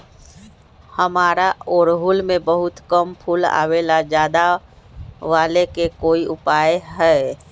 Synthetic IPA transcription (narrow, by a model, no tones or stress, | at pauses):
həmaːɾaɔːɾɦʊlmẽbəɦʊt̪kəmpʰula̰ːʋelad͡ʒjaːd̪a | ʋaːlekekoːiʔʊpaːjeɦɛː